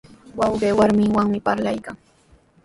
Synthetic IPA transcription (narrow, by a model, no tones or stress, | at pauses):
wɑwɢeːwaɾmɪŋwaŋmɪpaɾlajkaŋ